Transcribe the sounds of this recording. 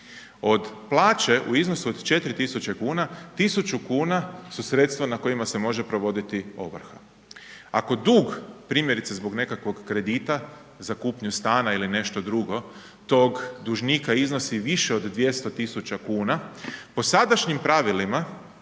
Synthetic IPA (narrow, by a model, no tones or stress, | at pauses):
o̞d̪plˠaːt͡ʃe̞ʔṵizno̞suod̪t͡ʃe̞t̪ɾit̪isut͡ɕekuːnat̪isut͡ʃukuːnasusɾe̞t̪st̪ʋanako̞imase̞mo̞ʒe̞pɾo̞ʋo̞d̪it̪io̞̰ʋɾ̩xa | a̰ko̞d̪uːɡpɾiːmje̞ɾit̪sezbo̞ɡne̞kakʋo̞ɡːɾe̞d̪iːt̪a | zakuːpɲust̪aːnailine̞ʃt̪o̞d̪ɾuɡo̞ | t̪o̞ɡd̪uʒniːkaizno̞siʋiʃe̞od̪d̪ʋje̞st̪o̞t̪isut͡ɕakuːnapo̞sad̪aʃɲimpɾaʋilima